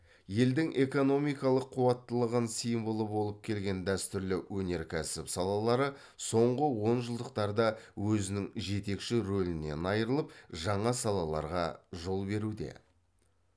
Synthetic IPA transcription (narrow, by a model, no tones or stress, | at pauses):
je̞ld̪ɪŋʔe̞ko̞no̞mijkɑlˠəqʰːuwɑt̪ːəlˠəʁənsijmbəlˠəbo̞lˠəp̚kʲʰe̞lɡʲe̞nd̪æst̪ʏɾlɪwɵne̞ɾkʲʰæsɪpsɑlˠɑlˠɑɾə | so̞ɴʁəwo̞nʒəlˠd̪əq̚t̪ɑɾd̪ɑwɵzɪnɪŋʒe̞t̪e̞kʃɪɾɵlɪne̞̰nɑjɾəlˠəp̚ʒɑɴɑsɑlˠɑlˠɑ̰ɾʁɑʒo̞lˠbe̞ɾud̪e̞̰